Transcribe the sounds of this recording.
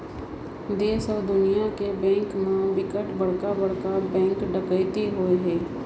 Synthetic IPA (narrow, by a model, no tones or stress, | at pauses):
d̪eːsɔːɾd̪ʊnijakebɛ̃ːŋkmãʋɪkəʈbəɽ̤kabəɽ̤kabɛ̃ːŋkɖəkəjt̪eɦoeɦɛː